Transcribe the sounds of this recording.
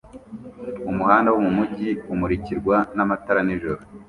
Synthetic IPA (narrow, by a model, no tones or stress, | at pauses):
umuhaːndawomumuɟiumuɾiciɾɡwanamataɾaniʒoɾo